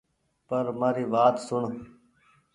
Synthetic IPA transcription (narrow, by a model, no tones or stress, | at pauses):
pəɾmaːɾiːʋaːt̪sʊɳ